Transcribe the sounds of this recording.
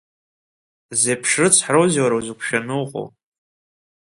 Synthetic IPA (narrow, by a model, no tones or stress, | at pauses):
zepʰʂɨt͡sʰħrowziwaɾawzɨkʷʰʃᶣanɨwqʼo̰w